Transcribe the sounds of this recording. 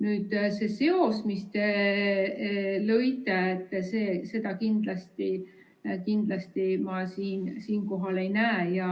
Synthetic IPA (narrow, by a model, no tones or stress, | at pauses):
nyːd̪̥se̞se̞o̞smist̪e | lɤjt̪ˑeet̪ːˑseːse̞d̪̥ɑkind̪̥lɑst̪i | kind̪̥lɑst̪imɑsiːnsiːnko̞ɦɑle̞jnæːjɑ